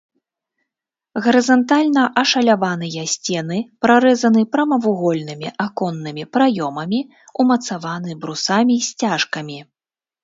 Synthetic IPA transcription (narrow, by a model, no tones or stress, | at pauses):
ɣɐɾɨzɐnt̪alʲnɐʔɐʂɐlʲavanɨjɐsʲt͡sʲɛnɨpɾaɾɛzɐnɨpɾɐmɐvuɣɔlʲnɨmʲiʔakɔnːɨmʲipɾajɔmɐmʲi | umɐt̪savan̪ɨbɾusamʲisʲt͡sʲaʂkɐmʲi